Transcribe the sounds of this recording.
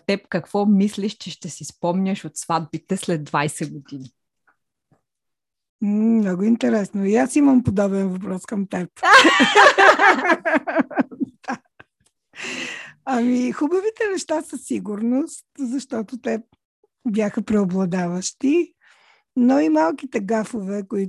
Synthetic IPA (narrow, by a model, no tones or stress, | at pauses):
t̪ɛpkɐkvɔmislʲiʃt͡ʃɛʃt̪ɛsispɔmnʲəʃot̪svad̪̚bit̪ɛslɛd̪ːvajsɛɡod̪ini | mnɔɡʊint̪ɛɾɛsnoiasiməmpod̪ɔbɛnvɐp̬ɾɔskɐmt̪ɛp̚ | d̪a | ɐmixubəvit̪ɛnɛʃt̪asəsiɡʊɾnost̪zɐʃt̪ɔt̪ʊt̪ɛ | bjʲaxəpɾɛoblˠɐd̪avəʃt̪i | noimalˠkit̪ɛɡafovɛkoi